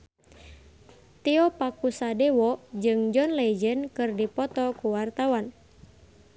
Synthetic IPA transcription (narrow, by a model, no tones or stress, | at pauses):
t̪iɔpakusadɛwɔd͡ʒɨŋd͡ʒɔnlɛd͡ʒənkɨrdipɔt̪ɔkuwart̪awan